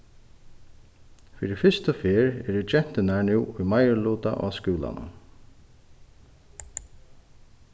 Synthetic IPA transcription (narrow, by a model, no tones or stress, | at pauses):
fiɾɪfɪst̪əfeːɹɛ̰d̪ud͡ʒɛn̥t̪ɪnaɹnuwʊjmajəɹluːt̪a̰ʔɔ̰ːskuːla̰na̰